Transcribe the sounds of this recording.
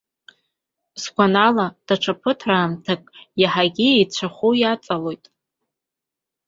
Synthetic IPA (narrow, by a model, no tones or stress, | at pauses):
sɡʷanalad̥aʈ͡ʂʰapʰɨtʰraːmtʰakʼjaħaɡʲiejt͡ɕʷʰaχʷujat͡sʼalo̞jtʼ